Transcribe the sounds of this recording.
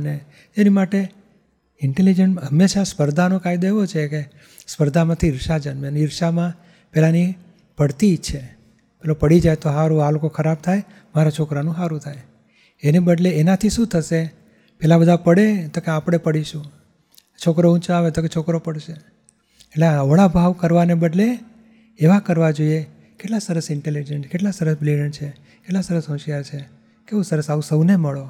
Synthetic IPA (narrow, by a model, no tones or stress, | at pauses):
ne | enimaʈe | ɪɳʈelid͡ʒənɦəmːeʃaspəɾd̪ʱanokʰajd̪oeʋot͡ʃʰeke | spəɾd̪ʱamãt̪ʰiɪɾʃad͡ʒənmjəniɾʃamã | pelani | bʱəɽt̪it͡ʃʰe | pelopəɽid͡ʒajt̪oɦaɾũalokokʰəɾab̚t̪ʰaj | maɾat͡ʃʰokɾanũɦaɾũt̪ʰaj | enebəɖleːnat̪ʰiʃũt̪ʰəse | pɛlabəd̪ʱapəɽet̪okeapɽ̃epəɽiʃũ | t͡ʃʰokɾout͡ʃaʋet̪oket͡ʃʰokɾopəɽʃe | eʈleaʋəɭabʱaʋkəɾʋanebəɖleː | ʋakəɾʋad͡ʒoie | keʈlasəɾəsɪɳʈelid͡ʒenskeʈlasəɾəsbliɽənt͡ʃʰe | keʈlasəɾəsɦɔ̃ʃjaɾt͡ʃʰe | keũsəɾəsausəʋneməɭo